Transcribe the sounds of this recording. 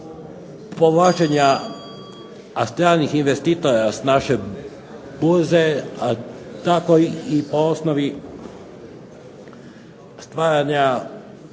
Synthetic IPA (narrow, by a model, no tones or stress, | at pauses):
poʋlat͡ʃeɲa | ast̪ɾaːnixinʋest̪it̪oɾasnaʃe | buzeat̪akoipoosnoʋi | st̪ʋaːɾaɲa